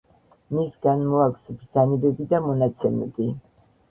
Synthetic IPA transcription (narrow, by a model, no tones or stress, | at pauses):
misɡanmɔakʰʷsbd̪zanibɛbid̪amɔnat̪sʰɛmɛ̰bi